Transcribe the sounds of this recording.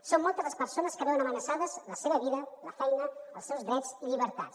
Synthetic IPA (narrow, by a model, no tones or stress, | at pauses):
somːɔlˠt̪əzlˠəspəɾsonəskəβɛwənəmənəsaðəzləseβəβiðələfɛjnəəlˠsɛwzðɾɛd͡ziʎiβ̞əɾt̪a̰ts